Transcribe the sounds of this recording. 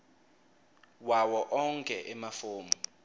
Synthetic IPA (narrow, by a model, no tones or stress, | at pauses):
wawɔʔɔŋkʼɛʔɛmafoːmɔ